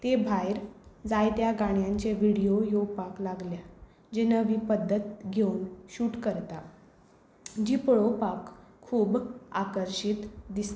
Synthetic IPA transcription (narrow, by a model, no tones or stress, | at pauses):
t̪ebʱajɾd͡zajt̪jaɡaɽ̃jaɲt͡ɕeʋiɽijojoɡpaklaɡlja | d͡ʑenəʋipəd̪ːət̪ɡʱeunɕuːʈkəɾt̪a | d͡ʑipɭopakʰːuːbakəɾɕit̪d̪ist̪e